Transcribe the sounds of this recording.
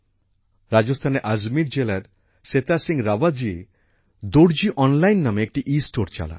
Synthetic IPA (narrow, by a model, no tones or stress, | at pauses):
ɾad͡ʒost̪ʰaneʔazmiɾd͡ʒelaɾ | set̪asiŋɡɾabad͡ʒie | d̪oɽd͡ʒiʔɔnlajnːameek̚ʈiʔisʈoɾt͡ʃa̰la̰